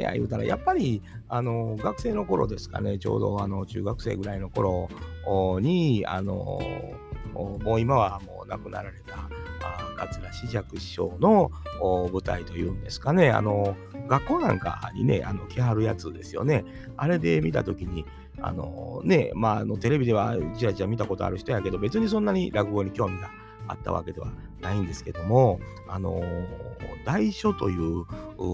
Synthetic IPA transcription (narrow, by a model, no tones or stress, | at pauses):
ja̰jɯ̟ːt̪aɾa̰ja̰pːaɾʲiano̞ɡakɯ̟se̞ːno̞ko̞ɾo̞̰d̪e̞sɨ̥ka̰ne̞t͡ɕo̞̰ːd̪o̞ano̞t͡ɕɨ̰ːɡakɯ̟̥se̞ːɡɯ̟ɾaino̞ko̞ɾo̞ | ɲ̟ia̰no̞̰ | mo̞ːimaβ̞amo̞̰ːna̰kɯ̟na̰ɾaɾe̞t̪aː | ɡat͡sɨɾaɕiʑakɯ̟ɕo̞ːno̞ː | bɯ̟t̪ait̪o̞jɯ̟̃ːnd̪e̞sɨ̥kane̞a̰no̞ | ɡakːo̞ːnã̰ŋka̰ɲ̟ḭne̞̰ʔano̞kʲiɦaɾɯ̟jat͡sɨd̪e̞sɨjo̞̰ne̞ | aɾe̞d̪e̞mʲit̪a̰t̪o̞kʲiɲ̟i | a̰no̞̰ne̞maːno̞t̪e̞ɾe̞bʲid̪e̞βat͡ɕiɾat͡ɕiamʲit̪ako̞t̪o̞̰a̰ɾɯ̟çi̥t̪ojake̞d̪o̞be̞t͡sɨɲ̟is̬õ̞nːaɲ̟iɾʔakɯ̟ɡoːɲ̟ikʲo̞ːmʲiɡa | a̰t̪ːa̰βa̰ke̞d̪e̞a̰ | naĩnd̪e̞sɨ̥ke̞d̪o̞mo̞ | ano̞̰ | d̪aiɕo̞t̪ojɯ̟ːɯ